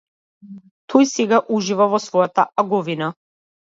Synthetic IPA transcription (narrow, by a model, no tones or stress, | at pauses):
t̪ʰɔjsɛɡaʔuʒivavɔsvɔjat̪a̰ʔaɡɔvina